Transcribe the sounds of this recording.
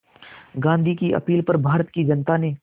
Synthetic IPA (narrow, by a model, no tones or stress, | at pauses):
ɡãːnd̪ʱikiʔɐ̰piːlpɐɾbʱaːɾət̪kid͡ʒɐnt̪ane